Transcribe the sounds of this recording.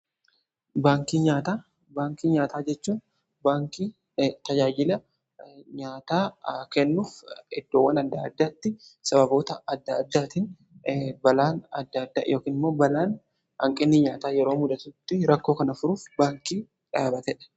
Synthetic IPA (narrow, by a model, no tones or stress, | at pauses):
baːŋkiːɲaːt̪aː | baːŋkiːɲaːt̪aːd͡ʒɛt͡ʃːuːn | baːŋkiː | t̪ɐd͡ʒaːd͡ʒɪlɐ | ɲaːt̪aːkɛnːuːfɛd̪ːo̞ːwːɐnɐd̪ːaːd̪ːaːt̪ːɪsɐbɐbo̞ːt̪ɐɐd̪ːɐːd̪ːaːt̪ɪn | bɐlaːnɐd̪ːɐd̪ːa̰ːjʔo̞ːkiːnɪmːo̞ːbɐlaːn | hɐ̰ŋkʼɪnːɪɲaːt̪aːjɛɾo̞ːmʊd̪ɐt̪ʊt̪ːɪɾɐkːo̞ːkɐnɐfʊɾuːfbaːŋkiː | ᶑaːbɐt̪ɛᶑɛ̥